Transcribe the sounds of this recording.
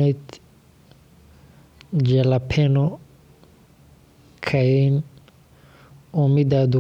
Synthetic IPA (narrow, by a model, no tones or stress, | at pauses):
ɛt | d͡ʒɛlapʰɛnɔ | kʰaen | omidadu